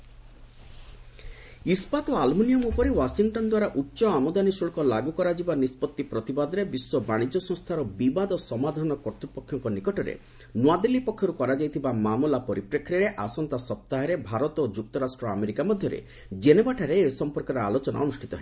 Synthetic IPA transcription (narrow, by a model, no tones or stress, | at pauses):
ispat̪ɔalmunijɔmupɔɾewasiŋʈɔnd̪waɾaʔutːʃɔamɔd̪anisuɭkɔlaɡukɔɾad͡ʒibanispɔt̪ːipɾɔt̪ibad̪ɔɾebiswɔbaɽ̃id͡ʒɔsɔ̃ŋst̪ʰaɾɔbibad̪ɔsɔmad̪ʱanɔkɔɾt̪ɾupɔkʰːjɔŋkɔnikɔʈɔɾḛ | nwad̪elːipɔkʰːjɔɾukɔɾad͡ʒajt̪ʰibamamulapɔɾipɾekʰɾiaɾeʔasɔnt̪asɔp̚t̪aɦaɾebʱaɾɔt̪od͡ʒuk̚t̪ɔɾasʈɾɔa̰meɾikamɔd̪ʱjɔɾḛ | d͡ʒenebaʈʰaɾeːsɔmpɔɾkɔɾɔalot͡ʃɔnʔa̰ɔnusʈʰit̪ɔɦe